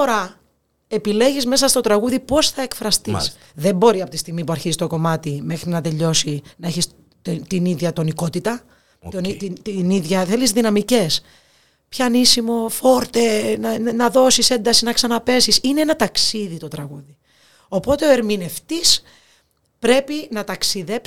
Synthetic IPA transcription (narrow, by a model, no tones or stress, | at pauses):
oɾɐ | e̞pile̞ʝizme̞sɐst̪o̞t̪ɾɐɣuðipo̞sθɐe̞kfɾɐst̪is | ðe̞mbo̞ɾiɐpot̪ist̪iɣmipuɐɾçizsist̪o̞ko̞mɐt̪ime̞xɾinɐt̪e̞ʎo̞sinɐe̞çis | t̪iniðʝɐt̪o̞niko̞t̪it̪ɐ | oniit̪iniðʝɐθelizðinɐmice̞s | pçɐnisimo̞fo̞ɾt̪ennɐðo̞sise̞nd̪ɐsinɐksɐnɐpe̞sisineenɐt̪ɐksiðit̪o̞t̪ɾɐɣuði | o̞po̞t̪e̞o̞e̞ɾmine̞ft̪is | pɾe̞pinɐt̪ɐksiðe̞p